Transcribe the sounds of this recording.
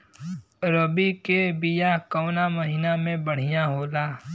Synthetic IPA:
ɾobikebijakɔːnamɐɦiːnamẽbɐɽ̤ijaɦoːlaː

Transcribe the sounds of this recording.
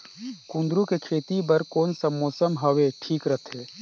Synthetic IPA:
kũnd̪ɾukekʰeːt̪ibəɾkoːnsɐmːɔːsəmɦɐʋeʈʰiːkɾət̪ʰeː

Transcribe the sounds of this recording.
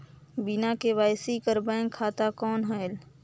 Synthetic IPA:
binaːkeʋaːɪsikəɾbɛ̃ːŋkʰːaːt̪akɔːnɦəel

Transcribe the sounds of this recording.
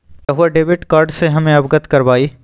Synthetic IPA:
jɐɦuaɖeːʋɪʈkaːɾɖseɦɐmẽɐbɡət̪kɐɾʋaːiː

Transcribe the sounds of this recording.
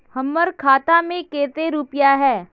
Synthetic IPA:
hɐmːəɾkʰaːt̪amẽkeːt̪eɾuːpɪjaɦɛː

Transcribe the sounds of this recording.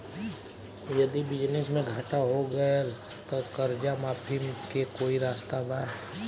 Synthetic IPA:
jɐd̪ibɪd͡ʒnɪsmẽɡʱaːʈaɦoɡɐa | t̪okɐɾd͡ʒamaːpʰimkekoːiɾaːst̪abaː

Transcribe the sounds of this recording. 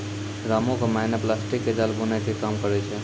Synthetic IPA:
ɾamõkemaɪnəplasʈikːed͡ʒalbunakekamkəɾɛt͡ʃʰɛ

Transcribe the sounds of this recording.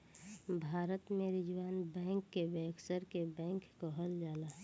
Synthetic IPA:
bʱaːɾət̪mẽɾɪd͡ʒʋaːnbɛ̃ːŋkːebeːksəɾkebɛ̃ːkkoɦəld͡ʒaːla

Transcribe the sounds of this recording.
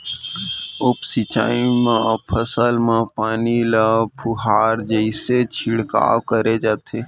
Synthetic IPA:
ʊpsit͡ʃa̰ːimãpʰəsəlmãpaːnilapʰʊɦaːɾd͡ʒəɪset͡ʃʰɪɽka̰ːwkəɾed͡ʒaːt̪ʰeː

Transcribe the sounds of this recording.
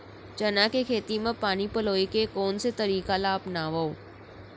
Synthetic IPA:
t͡ʃɐnakekʰeːt̪imẽpaːnipɐloːikekɔːnset̪ɐɾiːkalaːpnaːʋao

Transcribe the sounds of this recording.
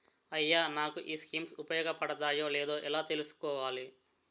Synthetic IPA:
ɐjːaːnaːkuʔiːskiːmsupɐjɔːɡɐpɐɽɐt̪aːjo̞ːleːd̪o̞ːʔɛlaːt̪e̞lusu̥kɔːʋaːli

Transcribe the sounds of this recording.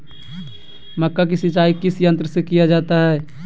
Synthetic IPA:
mɐkːakisit͡ʃaːikɪsjə̃nt̪ɾəsekijad͡ʒaːt̪aɦɛː

